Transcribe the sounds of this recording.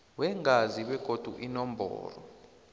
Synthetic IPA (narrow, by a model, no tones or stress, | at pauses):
wɛŋaziɓɛɡ̥ʱod̥ʱṵʔinɔmbʱɔ̰ːrɔ̰